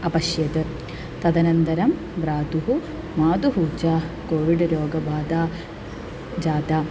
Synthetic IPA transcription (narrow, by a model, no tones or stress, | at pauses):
ɐpɐʃjɐt̪ɨ | t̪ɐd̪ɐnɐnd̪ɐɾɐm | ʋɾaːd̪uɦu | maːd̪uɦuːd͡ʒaːkoːʋiɖɾoːɡɐʋaːd̪aː | d͡ʒaːd̪aː